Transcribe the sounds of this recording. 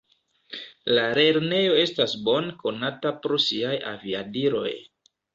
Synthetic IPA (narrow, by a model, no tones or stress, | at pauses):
laɾe̞ɾne̞jo̞e̞stasbo̞nko̞natapɾosiaja̰viadiɾo̞̰j